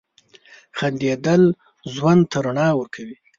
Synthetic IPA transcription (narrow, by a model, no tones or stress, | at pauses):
xand̪jed̪əl | zwand̪̚t̪ʰaɾaɳɑwəɾkʰawi